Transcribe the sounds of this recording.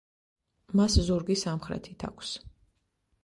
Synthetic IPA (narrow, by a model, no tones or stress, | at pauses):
maszuɾɡisamχɾɛ̰t̪ʰit̪ʰa̰kʷʰs